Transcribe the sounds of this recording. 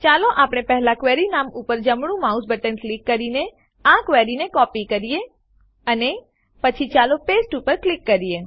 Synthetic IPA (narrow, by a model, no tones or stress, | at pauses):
t͡ʃaːloʔaːpɽ̃epɛɦlakʋɛːɾinaːmʊpəɾd͡ʒəmɽ̃ũmaːusbəʈənklɪkːəɾine | ãkʋɛːɾinekɔːpikəɾije | əne | pət͡ʃʰit͡ʃaːlopeːsʈupəɾklɪkːəɾie